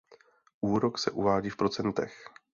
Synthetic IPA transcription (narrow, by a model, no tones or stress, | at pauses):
ʔuːɾo̞ksɛʔuvaːɟiːfpɾo̞t͡sɛnt̪ɛx